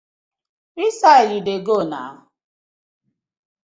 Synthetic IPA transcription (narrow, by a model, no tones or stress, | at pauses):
ɾisaɪɾideɡonaɦʊ